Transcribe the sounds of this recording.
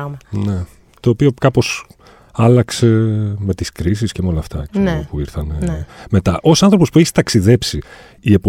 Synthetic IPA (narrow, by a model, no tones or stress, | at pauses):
mɐne̞ | t̪o̞ːpio̞kɐpo̞s | ɐlɐkse̞me̞t̪iskɾis̬iscemeo̞lɐːft̪ɐpuiɾθɐneme̞t̪ɐʔo̞sɐnθɾo̞pospueçi̥t̪ɐksiðe̞psi | ie̞p